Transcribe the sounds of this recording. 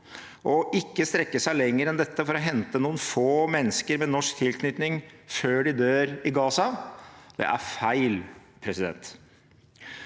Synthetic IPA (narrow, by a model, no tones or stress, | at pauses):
ʔɔʔɪkːəst̪ɾɛkːəsæɪlɛŋːəɾɛnd̪ɛt̪ːəfɔɾɔɦɛnt̪ənuːənfoːmɛnːəskəɾmɛnɔʂkt̪ʰɪlkʰnʏt̪nɪŋføːɖɪd̪øːɾɪɡɑːsɑd̪̥ɛ̰ʔæ̰ɾfæɪl | pʰɾɛsɪd̪ɛ̰nt̪